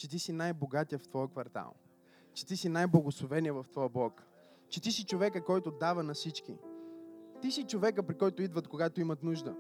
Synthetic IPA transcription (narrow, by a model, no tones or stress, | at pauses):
t͡ʃɛt̪isinajboɡat̪ijəft̪vɔjəkvɐɾt̪a̰lˠ | t͡ʃɛ̥t̪isinajblˠɐɡosˠovɛniəvɐft̪vɔjəblˠɔk | t͡ʃɛt̪isit͡ʃovɛkəkɔjt̪od̪avənɐsit͡ʃkḭ | t̪isit͡ʃovɛkəpɾikɔjt̪oid̪vət̪koɡat̪oimɐt̪nuʒd̪ə̰